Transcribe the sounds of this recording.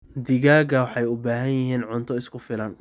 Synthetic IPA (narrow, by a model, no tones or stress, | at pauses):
d̪ɪɣaːɡɐwɑħɑjʊbaːɦɐnjɪɦiːnʕʊnt̪ʰɔɪskʰʊfɪlɐn